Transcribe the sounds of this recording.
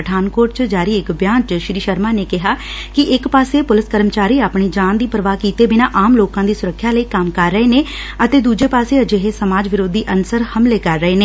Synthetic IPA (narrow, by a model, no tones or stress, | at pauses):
əʈʰaːnkoːɾʈ̚t͡ʃəd͡ʒaːɾiːɪkbjaːnt͡ʃʃɾiːʃəɾmaːneːkɪɦaː | kɪʔɪkpaːseːpʊlɪskəɾmət͡ʃaːɾiːaːpɳiːd͡ʒãːnd̪iːpɾəʋaːkiːt̪eːbɪnãːʔaːmloːkãːd̪iːsʊɾəkʰːjaːləiːkəmkəɾːəeːneː | ət̪eːd̪uːd͡ʒeːpaːseːəd͡ʒeːɦesəmaːd͡ʒʋɪɾoːd̪iːʔənsəɾhəmleːkəɾːəeːneː